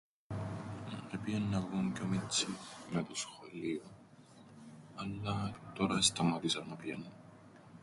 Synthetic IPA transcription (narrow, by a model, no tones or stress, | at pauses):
epienːɐɣuŋcomit͡sːimet̪osxolio | ɐlːɐt̪oɾɐest̪ɐmɐt̪isɐnopjenun